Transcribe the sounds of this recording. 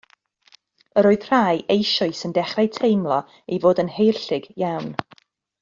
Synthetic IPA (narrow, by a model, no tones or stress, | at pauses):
əɾoːɨð̥r̥aːjejʃɔɨsəndɛχrajtʰejmlˠɔ | ivoːdənhejrɬɪɡjawn